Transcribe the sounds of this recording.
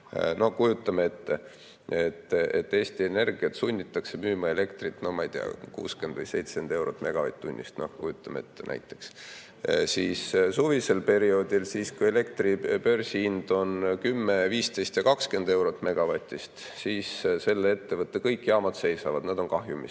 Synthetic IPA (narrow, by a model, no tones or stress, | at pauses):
no̞hkujut̪ˑːɑmeet̪ːe | et̪ːet̪ːe̞ːst̪ie̞ne̞rɡ̥iɑt̪sunʲːit̪ːˑɑkse̞myːmɑe̞le̞kt̪rit̪ːˑno̞mɑjd̪̥ḭɑ̰kṵːske̞nd̪vɨjse̞jt̪send̪̥e̞wɾot̪ːˑme̞ɡ̥ɑvɑ̰t̪̚ʲːˑt̪ːunʲːḭst̪no̞̰hkujut̪ːˑɑmeḛt̪ːˑenæ̰jt̪ːˑe̞̥ks | sissuvise̞lpe̞ɾio̞ːd̪̥ilsiːskuje̞le̞kt̪ripø̞rʲsiind̪̥o̞nkymːe̞viːst̪e̞jst̪jɑkɑkske̞nd̪̥e̞wɾo̞t̪ːˑme̞ɡ̥ɑvɑt̪ʲːist̪ | siːsse̞lːee̞t̪ːe̞vɤt̪ːe̞kɤjkːˑjɑːmɑd̪se̞jsɑvɑd̪nɑd̪̥o̞nkɑhjumḭs